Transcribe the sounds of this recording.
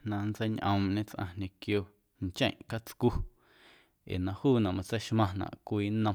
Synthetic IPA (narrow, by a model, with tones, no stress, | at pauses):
nã˧nt͡se˦jɲʔə̃˧mʔɲẽ˦t͡sʔã̰˧ɲẽ˧kjoː˧˨ | nt͡ʃḛ̃˦˨ʔka˦t͡sku˦ | ʔḛː˨nã˧huː˦˨nã˨ʔmã˧t͡se˦jʃmã˧nã̰˨ʔkʷiː˧˦nə̃˧